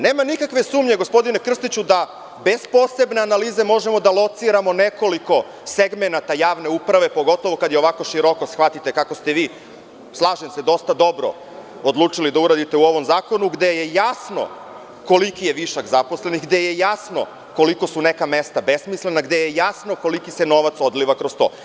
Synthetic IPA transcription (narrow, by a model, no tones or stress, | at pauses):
neːmanikakʋe̞suːmɲe̞ɡo̞spo̞d̪inekr̩st̪it͡ɕud̪a | be̞spo̞se̞bne̞analiːze̞mo̞ʒe̞mo̞d̪alˠo̞t̪siɾamo̞ne̞ko̞liko̞ | seɡmenat̪ajaːʋne̞upɾaʋe̞po̞ɡo̞t̪oʋo̞kad̪jeo̞ʋako̞ʃiɾo̞ko̞sxʋat̪it̪e̞kako̞st̪e̞ʋiː | slˠaːʒense̞d̪o̞st̪ad̪o̞bɾo̰ | od̪luːt͡ʂilid̪auɾad̪it̪e̞uo̞ʋo̞mzaːko̞nuɡd̪eje̞jasno̞̰ | ko̞likijeʋiʃaɡzapo̞sleniɡd̪e̞jejasno̞̰ | ko̞liko̞sune̞kame̞st̪abe̞smisle̞naɡd̪ejejasno̞ko̞likise̞no̞ʋat̪so̞d̪liʋakɾost̪o̞̰ː